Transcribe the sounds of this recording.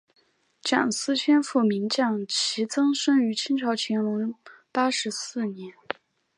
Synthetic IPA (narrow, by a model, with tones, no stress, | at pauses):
ʈ͡ʂjɑ̰˨˩ŋsɹ̩˥t͡ɕʰɥɛ˥nfu˥˩mi˧˥nt͡ɕjɑ˥˩ŋt͡ɕʰi˧˥t͡sɤ˥ŋʂɤ˥ŋy˧˥t͡ɕʰi˥nʈ͡ʂʰɑ˧˥ʊt͡ɕʰɛ˧˥nwə˧˥n | pa˥ʂɻ̩˧˥sɹ̩˥˩njɛ˧˥n